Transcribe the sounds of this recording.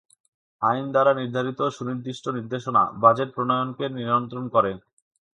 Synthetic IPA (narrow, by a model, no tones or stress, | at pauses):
ajnd̪aɾaniɾd̪ʱaɾit̪oʃuniɾd̪iʃʈʰoniɾd̪eʃona̰bad͡ʑeʈ̚pɾonojonkeɾniɾont̪ɾonkɔɾe